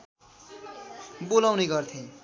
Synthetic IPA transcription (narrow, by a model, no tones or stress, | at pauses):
bolawneɡʌrt̪ʰĩ